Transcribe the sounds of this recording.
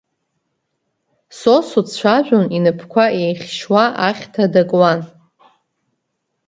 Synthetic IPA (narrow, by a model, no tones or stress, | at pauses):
sosut͡ɕʷʰaʒᶣʷʊninɨpʰkʷʰaejχʲʃwaʔaχʲtʰadakʼwan